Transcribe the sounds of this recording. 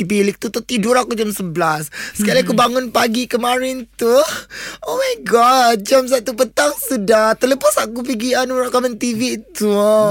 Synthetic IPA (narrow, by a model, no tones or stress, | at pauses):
ipilɪk̚t̪ut̪ut̪iduɾakud͡ʒamsəblasːəkalaakubaŋʊnpaɡikəmãɾɪnt̪u | omajɡɔt̚d͡ʒams̬aʔt̪upət̪aŋsudaht̪ələpasakup̬iɡianuɾaʔkamənt̪ivit̪u